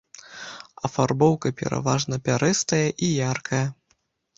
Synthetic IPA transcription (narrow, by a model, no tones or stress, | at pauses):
ɐfarbɔwkɐpʲɛ̰ɾa̰vaʐnɐpʲaɾɨst̪ɐjɐʔijarkʰɐjɐ